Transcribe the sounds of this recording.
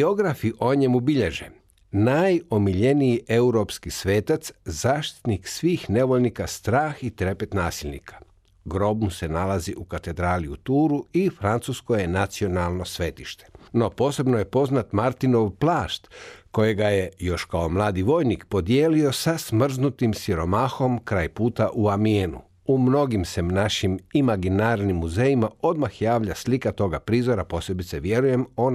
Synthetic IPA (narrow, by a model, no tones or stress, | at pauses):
o̞ɡɾafiʔo̞ɲe̞mubiʎeʒḛ | najo̞miʎe̞nijiʔe̞uɾopskisʋe̞ːt̪at̪szaːʃt̪i̥t̪niksʋiːxne̞ʋoʎnikast̪ɾaːxit̪ɾe̞pe̞t̪naːsilʲnḭkʰḁ | ɡɾo̞bnuse̞nalaziʔukat̪e̞d̪ɾaːliut̪uːɾuifɾant̪susko̞jenat̪sio̞nalˠno̞sʋe̞t̪iʃt̪e̥no̞po̞ːse̞bnoje̞po̞znat̪maɾt̪ino̞ʋplˠaːʃt̪ko̞je̞ɡajejo̞ʃkaomlˠaːd̪iʋo̞ːjnikpo̞d̪je̞ːlio̞sasmr̩znut̪imsiɾo̞maːxo̞mkɾaːjpuːt̪aʔuamienṵ | umno̞ɡimse̞mnaʃimimaɡinaːɾnimːuzejimao̞d̪maxjaːʋʎaslikat̪o̞ɡapɾiːzo̞ɾapo̞sle̞bit̪seʋje̞ɾuje̞mo̞n